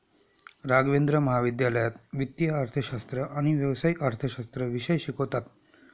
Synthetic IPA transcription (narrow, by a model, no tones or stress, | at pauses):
ɾaɡʋend̪ɾəməɦaʋid̪jaləjat̪ʋit̪jəaɾt̪ʰəɕast̪ɾəʔaɽ̃iʋjəʋsaiʔaɾt̪ʰəɕast̪ɾəʋiɕəjɕikot̪at̪